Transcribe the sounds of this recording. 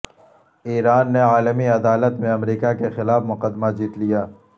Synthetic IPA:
iːɾaːnːeaːləmiɐd̪aːlət̪mẽɐmɾiːkakexɪlaːfmʊqəd̪mad͡ʒiːt̪lijaː

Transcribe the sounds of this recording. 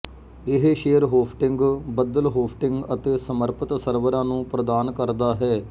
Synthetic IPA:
ɪɦʃeːəɾɦoːsʈɪŋɡbəd̪əlɦoːsʈɪŋɡət̪eːsəməɾpət̪səɾʋəɾãːnũːpɾəd̪aːnkəɾd̪aːɦɛː

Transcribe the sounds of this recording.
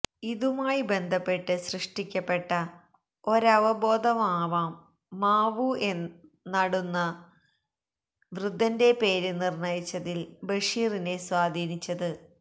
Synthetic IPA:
iðumaːjibe̞nd̪ʱɐpːe̞ʈːɨɕrɨʂʈikʲːɐpːe̞ʈːɐ | o̞ɾɐʋɐbo̞ːd̪ʱɐmaːʋaːmː | aːʋue̞nː | ɐɽunːɐ | ʋrud̪ʱːɐnde̞pe̞ːɾɨnirɳɐjit͡ɕːɐðilbɐʂiːrine̞swaːd̪ʱiːnit͡ɕːɐðɨ

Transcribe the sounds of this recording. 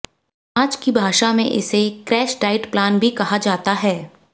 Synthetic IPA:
aːd͡ʒkibʱaːʃamẽʔɪ̰sekɾɛːʃʈaːɪʈplaːnbʱikɐɦad͡ʒaːt̪aɦɛː

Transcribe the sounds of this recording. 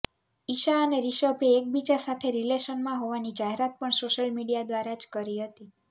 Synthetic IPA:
iʃaəneɾiʃəbeːk̚bit͡ʃaɾsat̪ʰeɾileʃənmãɦoʋanid͡ʒaɦeɾat̪̚pəɳsoʃəlmiɽijad̪ʋaɾad͡ʒkəɾiɦət̪i

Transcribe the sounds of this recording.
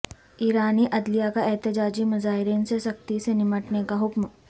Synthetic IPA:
iːɾaːniːʔɐd̪lijakaɛɦt̪ɪd͡ʒaːd͡ʒiːmɐzaːɪɾiːnseʃɐk̚t̪isenɪməʈnekaɦʊkm

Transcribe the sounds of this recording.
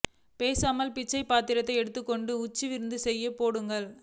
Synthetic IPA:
peːsaːmɐlpɪt͡ʃːɐɪpaːt̪ːɪɾɐt̪ːɐɪɛɽɯt̪ːɯkːɔɳɖɯʊt͡ʃːɯʋɪɾɯnd̪ɯsɛjːɐpːoːɽɯŋɡɐɭ

